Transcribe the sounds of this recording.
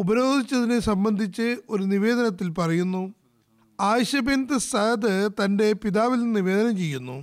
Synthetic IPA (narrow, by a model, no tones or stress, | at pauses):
ubɐɾo̞ːd̪ʱit͡ɕːɐðinesɐmbɐnd̪ʱit͡ɕːɨo̞ɾuniʋe̞ːd̪ɐnɐt̪ːilpɐrɐjunːu | aːɕɐbend̪ɨsɐɐd̪ɨt̪ɐnde̞piðaːʋilninːiʋe̞ːd̪ɐnɐmt͡ɕe̞jːunːṵ